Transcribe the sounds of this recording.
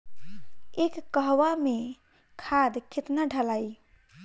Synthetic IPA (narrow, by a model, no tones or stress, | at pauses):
ekːəɦwame | kʰad̪kit̪naɖʱəlaj